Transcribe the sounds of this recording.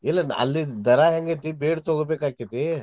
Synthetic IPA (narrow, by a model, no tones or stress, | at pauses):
ilːɐnɐ̰lːid̪ɐɾaːɦɛŋɡet̪ibeːɽt̪oɡobeːkaːkit̪i